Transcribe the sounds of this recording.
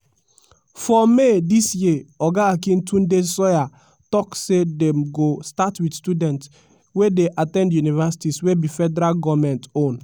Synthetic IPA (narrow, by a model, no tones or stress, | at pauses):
fɔmedisjeɔɡaːkĩntʰũndesɔja | tɔksedɛ̃mɡostatwidstudɛ̃nt | wedeʔatɛ̃ndjunivɛsi̥tiswebifɛdɛɾalɡɔvmɛ̃ntõn